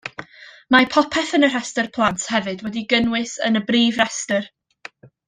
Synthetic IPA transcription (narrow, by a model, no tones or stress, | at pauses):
mapʰɔpʰɛθənər̥ɛstərpʰlˠantʰhɛvɨdwɛdiɡənwɨsə̰nəbriːvrɛstər